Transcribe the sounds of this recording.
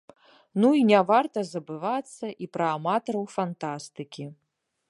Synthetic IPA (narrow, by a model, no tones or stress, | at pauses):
nuinʲavart̪ɐzɐbɨvat̪sːɐʔipɾɐːmat̪ɐɾɐwfant̪ast̪ɨkʲi